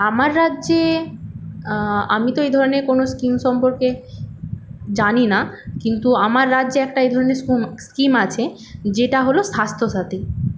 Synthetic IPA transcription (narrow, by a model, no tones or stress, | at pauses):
amaɾːadːʑe | amit̪oejd̪ʱɔɾoneɾkonoskimʃɔmpoɾke | d͡ʑaninakint̪uamaɾːadːʑeɛk̚ʈaejd̪ʱɔɾoneɾskumskimat͡ɕʰe | d͡ʑeʈaɦoloʃast̪ʰoʃat̪i